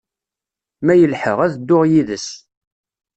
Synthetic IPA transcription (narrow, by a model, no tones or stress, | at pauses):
mæjəlħəʁæðd̪ːʊʁjiðəs